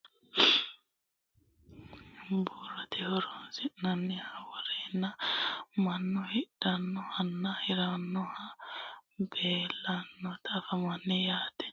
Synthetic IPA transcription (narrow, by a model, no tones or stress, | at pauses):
bɔrɐt̪ɛhɔɾɔnsɪʔnɐnːɛhɐwɐɾɛnːɐmɐnːɔhɪd̥ɐnːɔhɐnːɐhɪɾɐnːɔhɐ | beːlːɐnːɔt̪ʰɐfɐmɐnːɛjaːt̪ɛ̥